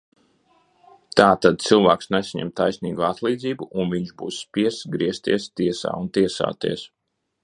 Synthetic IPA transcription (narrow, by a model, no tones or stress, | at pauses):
t̪aːt̪ad̪̚t̪silˠvaːksnɛsʲɲɛ̰mt̪ajsʲniːɡuat̪lˠiːd̪ziːbuʔunviɲʒbuːsːpiɛsɡɾiɛst̪ḭɛst̪iɛsa̰ːunt̪iɛsa̰ːt̪ḭɛs